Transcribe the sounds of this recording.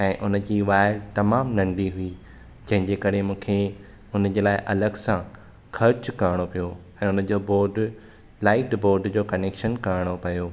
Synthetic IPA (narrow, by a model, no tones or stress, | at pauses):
ɛ̃ːʔʊn̆d͡ʑiːʋaːɪɾt̪ɐmaːmnɐ̃ɳɖiɦʊi | d͡ʑɐ̃ɦɪ̃ɲd͡ʑeːkɐɾemũːkʰe | ʊnd͡ʑeːlaːɪʔɐləɡsã | kʰɐɾt͡ɕkɐɾɪɽ̃opijo | ɛ̃ːʊn̆d͡ʑoːboːɾɖ | laːɪʈboːɾɖd͡ʑoːkɐneːkʃənkɐɾɪɽ̃opɐjoː